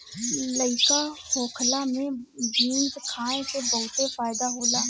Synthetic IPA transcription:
ləɪkahoːkʰlamẽbiːnzkʰaːẽkebəɦʊt̪efaːjd̪aɦoːlaː

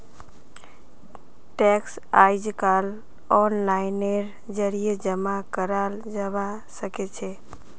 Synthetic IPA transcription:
ʈɛks | aɪd͡ʒkal | ɔnlaɪneɾ | d͡ʒəɾijed͡ʒəmakəɾal | d͡ʒəʋa | səket͡ʃʰe

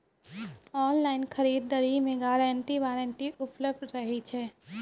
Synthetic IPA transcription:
ɔːnlaːɪnkʰɐɾiːd̪̚ːəɾimẽɡaːɾɛ̃ːɳʈiʋaːɾẽːɳʈiʊpləb̚d̪ɾɐɦit͡ʃʰɛː

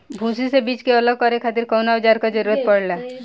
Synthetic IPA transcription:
bʱũːsisebiːt͡ʃkeələɡ̚kɔɾekʰaːt̪ɪɾkɔːnaʊd͡ʒaːɾkad͡ʒəɾuːɾət̪̚pɐɽlaː

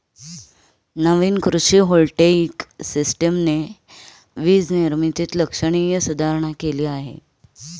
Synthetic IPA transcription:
nəʋiːnkɾuɕiːɦolʈeksisʈəmne | ʋiːd͡zniɾmit̪iːt̪ləkʂəɽ̃ijəsud̪ʱaɾɳ̃akeliːaɦḛ

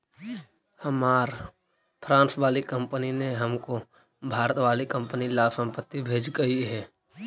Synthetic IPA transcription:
həmaːɾ | pʰɾãːnsʋaːlikə̃mpənineɦəmko | bʱaːɾət̪ʋaːlikə̃mpənilasə̃mpət̪ːibʱeːd͡ʒɡəiɦɛː

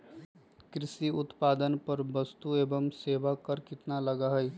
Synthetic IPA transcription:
kɾɪsiʊt̪paːd̪ənpɐɾbɐst̪ueːbəmseːʋakɐɾkɪt̪nalɐɡaɦɛj

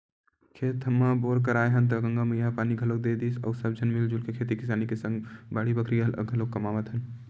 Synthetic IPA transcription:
kʰeːt̪əmːaboːɾk̬əɾaːjɦənt̪̬ɐɡə̃ŋɡamejɦapaːniɡʱəlok̚d̪ed̪isə̰ːsəb̚d͡ʒʱənmild͡ʒulkekʰeːt̪ikɪsaːnikesə̃ŋɡbaːɽibəkʰɾiələ̰ɡʱəlokːɐmaːʋət̪ɦən

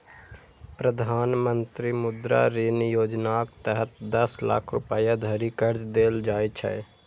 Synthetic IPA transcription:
pɾəd̪ʱaːnmənt̪ɾimʊd̪ɾa̰ɾinjoːd͡ʒnaːkt̪əɦət̪d̪əsla̰ːkʰɾʊpəjad̪ʱəɾikəɾd͡ʒd̪eːld͡ʒaːjt͡ʃʰɛ̰

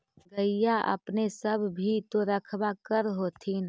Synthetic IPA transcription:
ɡəijaʔɐ̰pnesəbʱbʱit̪oɾəkʰbakəɾɦoːt̪ʰin

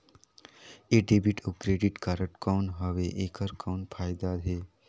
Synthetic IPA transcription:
eːɖeːbiʈʰəkɾeːɖɪʈkaɾəʈkɔːnɦəʋeʔeːkəɾkɔːnpʰaːɪd̪aɦeː

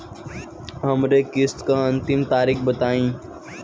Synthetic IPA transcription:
ɦɐmɾekɪskaɐ̃nt̪ɪmt̪aːɾɪkbət̪aːĩː

